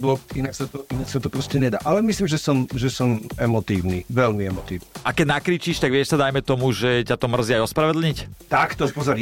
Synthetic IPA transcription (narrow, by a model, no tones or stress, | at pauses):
bɔinaksat̪ɔinaksat̪ɔpɾɔscɛɲɛd̪a̰ːʔalɛmisliːmʒɛsɔmʒɛsɔmɛmɔt̪iːʊniʋɛlmiɛmɔt̪ḭːwniʔakɛɟnakɾiːt͡ʃiːʃt̪aɡʋɪɛʃsad̪ajmɛt̪ɔmuʒɛcat̪ɔmr̩ziajɔspɾaʋɛd̪l̩ɲict̪akt̪ɔpɔzɔɾ